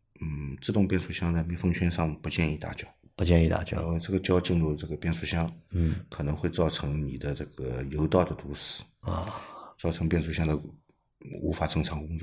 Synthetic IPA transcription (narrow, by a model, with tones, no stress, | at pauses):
n̩˥˩ʈ͡ʂɹ̩˥˧t̪ʊ˥˧ŋpjɛ˥˧nʂu˥˩ɕjɑ˥ŋd̪ə˧˩mi˧˥ŋfɤ˥ŋt͡ɕʰɥɛ˥nʂɑ˥˩ŋpu˧˥t͡ɕjɛ˥˧ni˥˧t̪a̰˥˩t͡ɕjɑ˥˩ʊpu˧˥t͡ɕjɛ˥˧ni˥˧t̪a̰˥˩t͡ɕjɑ̰˥˧ʈ͡ʂɤ˥˩ɡə˩t͡ɕjɑ˥ʊt͡ɕi˥˧nɻu˥˧ʈ͡ʂɤ˥˩ɡə˩pjɛ˥˧nsu˥˩ɕjɑ˥ŋ̩˥˩kʰɤ˨˩nɤ˧˥ŋxwe˥˧ɪt͡sɑ˥˩ʊʈ͡ʂʰɤ˧˥ŋni˨˩d̪ə˦ʈ͡ʂɤ˥˩ɡə˩jo˧˥ʊt̪ɑ˥˩ʊd̪ə˩t̪u˧˥ʂɹ̩˨˩˦ | t͡sɑ˥˩ʊʈ͡ʂʰɤ˧˥ŋpjɛ˥˧nʂu˥˩ɕjɑ˥ŋd̪ə˨ | ṵ˧˥fa˨˩ʈ͡ʂɤ˥˩ŋʈ͡ʂʰɑ˧˥ŋkʊ˥ŋt͡swɔ˥˩